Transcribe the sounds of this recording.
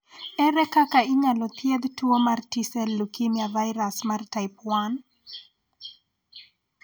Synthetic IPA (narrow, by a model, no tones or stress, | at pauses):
ɛɾɛkakaiɲalɔt̪ʰjɛðtuomartisɛlːukimjavajɾasmartajpwan